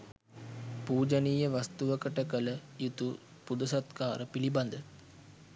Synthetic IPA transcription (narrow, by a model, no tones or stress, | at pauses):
puːd͡ʒəniːjəʋast̪uʋəkəʈəkələjit̪u | pud̪ɐsɐt̪kaːɾəpiliband̪ə